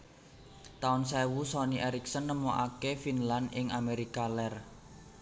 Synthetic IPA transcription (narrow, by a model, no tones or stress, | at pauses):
t̪aʊnsɛwusɔniʔeɾiksənːəmoʔa̰kefinlanʔɪŋameɾikalɛr